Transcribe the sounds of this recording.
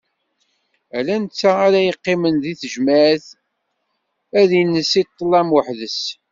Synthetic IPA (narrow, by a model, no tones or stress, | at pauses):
ælænt͡sːaaɾæjəqːɪmənðiθəʒmæθ | æðjənːəsit̪ˤːəlːæmwəħðəs